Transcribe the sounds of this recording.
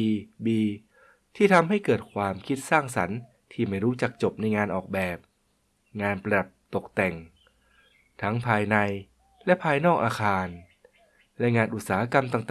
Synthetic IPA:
biː˧ | t̪ʰiː˥˩t̪ʰa˧mɦa˥˩jkɤː˨˩t̪̚kʰwaː˧mkʰi˦˥t̪̚saː˥˩ŋsa˩˦n | t̪ʰiː˥˩ma˥˩jɾuː˦˥t͡ɕa˨˩k̚t͡ɕo˨˩p̚na˧jŋaː˧nʔɔː˨˩k̚bɛː˨˩p̚ | ŋaː˧npɾa˧da˨˩p̚t̪o˨˩k̚t̪ɛ˨˩ŋ | t̪ʰa˦˥ŋpʰaː˧jna˧j | lɛ˦˥pʰaː˧jnɔː˥˩k̚ʔaː˧xʰaː˧n | lɛ˦˧˥ŋaː˧nʔu˨˩saː˩˦a˦˥ka˧mt̪aː˨˩ŋt̪

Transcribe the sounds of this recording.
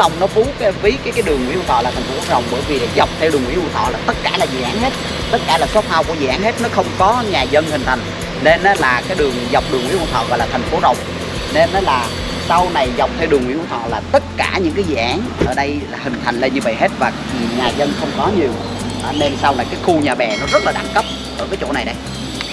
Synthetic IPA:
ɗə˨˩wŋ͡mnɔ˨˦ku˨˦kːvi˨˦kaː˨˦jkaː˨˦jɗɨ˨˩əŋwḭ˧˥˦ʔ̪ʰɔ̰˧˨laː˨˩t̪ʰŋ̟fo˦˧˥ɗə̰˨˩wŋ͡mɓəː˧˦˩jvi˨˩ɗa˨˦za˨˩wk͡p̚t̪ʰɛ˧wɨ˨˩əŋwḭ˧˥˦ku˧˩t̪ʰɔ̰˧˨laː˨˩t̪ə˦˥t̚kaː˧˩laː˨˩zḭ˧˨ʔaː˨˦nhe˦˥t̚ | t̪ə˦˥t̚kaː˧˩laː˨˩sɔ˦˥t̚t̪ʰaː˧wku˧˩əzɨ̰˨˧˨ʔaː˨˦nhe˦˥t̚nɔ˨˦xə˧wŋ͡mkɔ˨˦ɲaː˨˩zə˧nhï˨˩ŋ̟t̪ʰa˨˩jŋ̟ | ne˧nːɔː˨˦laː˨˩kaː˨˦jɗɨ˨˩əŋza˨˩wk͡p̚ɗɨ˨˩əŋwḭ˧˥˦ʔṵ˧˩t̪ɔ̰˧˨ɣɔ̰˧˨jlaː˨˩t̪ʰa˨˩ŋ̟fo˨˦ɗə˨˩wŋ͡m | ne˧nʔlaː˨˩ | sa˧wna˨˩jza˨˩wk͡p̚t̪ʰɛ˧wɗɨ˨˩əŋwi˧˥kːt̪ɔ̰˧˨laː˨˩t̪ə˦˥t̚kaː˧˩ɲɨ̰˧˥ŋkaː˨˦jzɛ̰˧˩˨ʔaː˨˦nʔəː˧˩ɗə˧jlaː˨˩hï˨˩ŋ̟t̪ʰa˨˩jŋ̟le˧nɲɨ˧və̰˧˨jɦe˦˥t̚vaː˨˩ | i˨˩ɲaː˨˩zə˧nxə˧wŋ͡mkɔ˨˦ɲi˨˩əw | ʔaː˧˩ne˧nsa˧wna˨˩jkaː˨˦jxu˧ɲaː˨˩ɓɛ˨˩nɔ˨˦zə˦˥t̚laː˨ɗa̰˧˩ŋkə˦˥p̚ | ʔəː˧˩kaː˨˦jt͡ɕo̰˧˩na˨˩jɗə˨˩j

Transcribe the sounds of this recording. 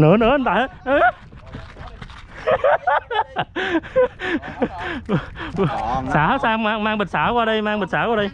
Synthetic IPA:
nɨ̰˧˦ənɨ˧˦ə˨˧t̪a̰ː˧˨˦nə˨˧˦ | saː˧˩˦saː˧mmaː˧ŋmaː˧ŋɓə˨˩t̚saː˧˩kwaː˧ɗə˧jmaː˧ŋɓə˨˩t̚saː˧˩˦kwaː˧ɗə˧j

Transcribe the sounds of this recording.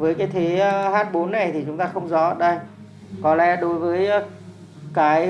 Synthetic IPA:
vəː˨˦jkaː˨˦jt̪ʰe˨˦˧haː˦˥t̚ɓo˨˦nːa˨˩jt̪ʰi˨˩t͡ɕʊ˨˦ŋ͡mt̪aː˧xə˧wŋ͡mzɔ˨˦ʔəː˨˩ɗə˧j | kɔ˨˦lɛ̰˨˦ɗo˨˦jvəː˨˦j | kaː˨˦j

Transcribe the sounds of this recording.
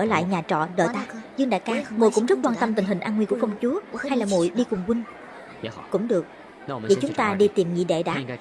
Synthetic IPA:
əː˧˩la̰ː˧˨jɲaː˨˩t͡ɕɔ̰˧˨ɗəː˧˨t̪aː˧zɨ˧əŋɗa̰ː˧˥kaː˨˦mo˨jkʊ̰˧˥ŋ͡mzə˦˥t̚kwaː˧nt̪ə˧mt̪i˨˩ɦi˨˩ŋ̟ʔaː˧nŋwku˧˩əfə˧wŋ͡mt͡ɕu˨˦əhha˧jlaː˨˩mo̰˧˨jɗi˧kʊ˨˩ŋ͡mkwi˧ŋ̟ | kʊ̰˧˥ŋ͡mɗɨ˨˩ək̚ | ḭ˧˨t͡ɕʊ˨˦ŋ͡mt̪aː˧ɗi˧t̪i˨˩mŋḭ˧˨ɗḛ˧˨ɗa̰ː˧˥

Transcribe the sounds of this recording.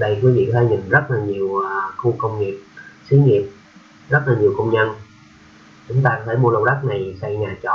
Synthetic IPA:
ɗə˧jkwi˨˦vḭ˧˨kt̪ʰe˧ɲi˨˩ŋzə˦˥t̚laː˨˩ɲi˨˩əwxu˧kə˧wŋ͡mŋi˨˩əp̚si˨˦ŋi˨˩əp̚ | zə˦˥t̚laː˨˩ɲi˨˩wkə˧wŋ͡mɲə˧n | t͡ɕʊ˨˦ŋ͡mt̪aː˧ɔ˦˥e˧˩mu˧lə˧wɗa˦˥k̚na˨˩jsa˧jɲaː˨˩t͡ɕɔ̰˧˨

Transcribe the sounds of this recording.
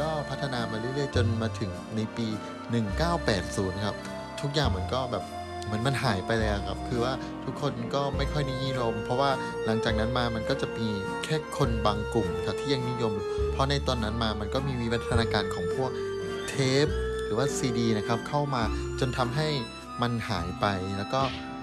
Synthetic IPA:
kɔː˥˩pʰa˦˥t̪ʰːa˧naː˧maː˧ɾuː˦˥˨lɯː˧˩jt͡ɕo˧nmaː˧t̪ʰɯ˩˦ŋ | na˧jpiː˧ | nɯ˨˩ŋkaː˥˩wpɛ̰ː˨˩t̪̚suː˩˦nkʰa˦˥p̚ | t̪ʰu˦˥k̚jaː˨˩ŋm˩˦˧ə˧nkɔː˥˩bɛː˨˩p̚ | mɯ˧˩˦ənma˧nɦaː˩˦jpa˧jla˧ɛː˦˥˩kʰa˦˥p̚kʰɯː˧waː˥˩ | t̪ʰu˦˥kʰːo˧nkɔː˥˩ma˥˩jkʰɔ˥˩jna˦˥˩ɲiː˥˩˨jo˧mpʰɔ˦˥waː˥˩ | la˩˦ŋt͡ɕaː˨˩k̚na˦˥nmaː˧ma˧nkɔː˥˩t͡ɕa˨˩ʔmiː˧ | kʰɛː˥˩kʰo˧nbaː˧ŋklu˨˩ŋna˦˥kʰa˦˥t̪ʰiː˥˩ja˧ŋni˦˥˨jo˧m | pʰɾɔ˦˥na˧jt̪o˧nːa˦˥nmaː˧ma˧nkɔː˥˩miː˧wi˦˥wa˦˥t̪ʰːa˧naː˧kaː˧nkʰɔː˩˦ŋpʰu˥˩ək̚ | t̪ʰeː˦˥p̚ɾɯː˩˦waː˥˩siː˧diː˧na˦˥kʰa˦˥p̚kʰa˥˩wmaː˧t͡ɕo˧nt̪ʰa˧mɦa˥˩j | ma˧nha̰ː˩˦jpa˧jlɛː˦˥wkɔː˥˩

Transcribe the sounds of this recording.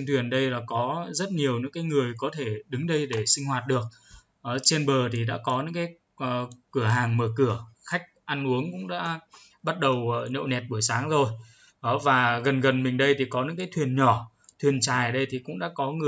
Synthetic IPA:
ŋt̪ʰwi˨˩ənɗə˧jlaː˨˩kɔ˨˦zə˦˥t̚ɲi˨˩əwɲɨ̰˧˥ŋkaː˨˦jŋɨ˨˩əjkɔ˨˦t̪ʰe˧˩ɗɨ˨˦ŋɗə˧jɗe˧˩sï˧ŋ̟hwaː˨˩t̚ɗɨ˨˩ək̚ | ʔəː˨˩t͡ɕe˧nɓəː˨˩t̪ʰi˨˩ɗa̰ː˧˥kɔ˨˦ɲɨ̰˧˥ŋkaː˨˦jː | kɨ˧˩əɦaː˨˩ŋməː˧˩kɨ˧˩əxa˦˥jk̟̚ʔa˧nʔu˨˦əŋkʊ̰˧˥ŋ͡mɗa̰ː˧˥ | ɓa˦˥t̚ɗə˨˩wʔːɲə̰˧˨wnɛ˨˩t̚ɓu˧˩əjsaː˨˦ŋzo˧j | ʔə˨˩vaː˨˩ɣə˨˩nɣə˨˩nmï˨˩ŋ̟ɗə˧jt̪ʰi˨˩kɔ˨˦ɲɨ̰˧˥kaː˨˦jt̪ʰwi˨˩ənɲɔ˧˩ | t̪ʰwi˨˩ənt͡ɕaː˨˩jɗə˧jt̪ʰi˨˩kʊ̰˧˥ŋ͡mɗa̰ː˧˥kɔ˨˦ŋɨ˨˩ə

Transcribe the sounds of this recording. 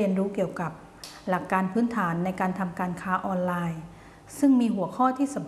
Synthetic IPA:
i˧ənɾuː˦˥ki˨˩əwka˨˩p̚ | la˨˩kːaː˧npʰɯː˦˥nt̪ʰaː˩˦nːa˧jkaː˧nt̪ʰa˧mkaː˧nkʰaː˦˥ʔɔː˧nlaː˧j | sɯ˥˩ŋmiː˧ɦu˨˩˦ɐkʰɔː˥˩t̪ʰiː˥˩sa˩˦mp

